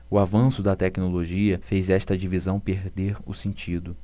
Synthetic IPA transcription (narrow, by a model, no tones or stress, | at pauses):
ʊavɐ̃sʊd̪ɐt̪ɛknoloʒiɐfejzɛʃt̪ɐd͡ʒivizɐ̃w̃peɾd̪eɾʊ̰sẽnt͡ʃid̪ʊ